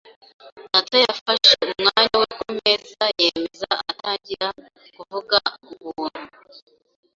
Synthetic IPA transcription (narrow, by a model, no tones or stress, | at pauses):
datajafaʃeuumŋaːɲawekome̞zaje̞me̞zaatʰaːɲɟiɾa | kuvuɡauβuːn̥hu